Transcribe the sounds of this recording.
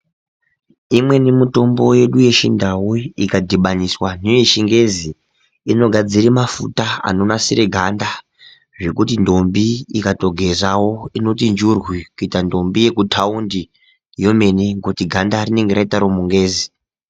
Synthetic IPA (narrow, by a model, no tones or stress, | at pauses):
imwe̞nemuto̞mbo̞je̞ɗuje̞ʃindawuikadʱiɓaɲiswaneojeʃiŋɡe̞zi | ino̞ɡʱad͡ziɾimafṵtaa̰no̞nasiɾeɡʱanda | ʐe̞kutindo̞mbiikato̞ɡʱe̞zawo̞ino̞tind͡ʒurwikuitando̞mbije̞kutʰaundi | jo̞me̞neŋɡotiɡʱandarine̞ŋɡeɾaitaɾomuŋɡe̞ːzi